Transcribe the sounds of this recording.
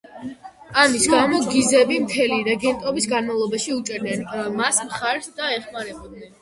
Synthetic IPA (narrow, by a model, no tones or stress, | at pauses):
amisɡamɔɡizɛbimt̪ʰɛliɾɛɡɛnt̪ʼɔbisɡanmavlˠɔbaʃiut͡ʃʼɛɾdnɛnmasmχaɾsd̪aɛχmaɾɛbɔd̪nɛn